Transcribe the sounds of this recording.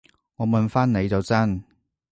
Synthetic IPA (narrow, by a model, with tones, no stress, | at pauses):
ŋɔː˨˧mɐ˨nfaː˥nne˨˧jt͡sɐ˨wt͡sɐ˥n